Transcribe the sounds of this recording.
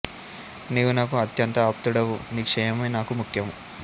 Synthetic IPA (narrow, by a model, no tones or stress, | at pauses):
neːʋunaːkuɐt̪jɐnt̪ɐːp̚t̪uɽɐʋuniːkʂɛjɐmɐjnaːkumukʰjɐmu